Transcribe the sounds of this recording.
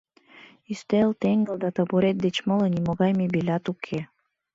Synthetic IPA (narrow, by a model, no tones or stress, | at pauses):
yst̪elt̪eŋɡəld̪ɑt̪ɑbuɾet̪̚d̪et͡ɕmɤlənimoɣɑjmebelʲɑt̪ukʰe